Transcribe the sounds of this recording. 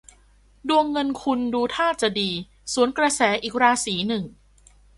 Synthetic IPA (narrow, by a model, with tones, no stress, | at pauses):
du˧əŋːɤ˧nkʰu˧nduː˧t̪ʰaː˥˩t͡ɕa˨˩diː˧ | suː˩˦nkɾa˧sɛː˩˦ʔiː˨˩k̚ɾaː˧siː˩˦nɯ˨˩ŋ